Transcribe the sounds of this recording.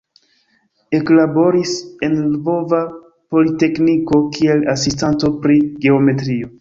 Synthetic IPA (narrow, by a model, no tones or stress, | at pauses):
e̞klabo̞ɾise̞nlvo̞va | po̞lite̞kniko̞kie̞lasistanto̞pɾiɡe̞ome̞tɾio̞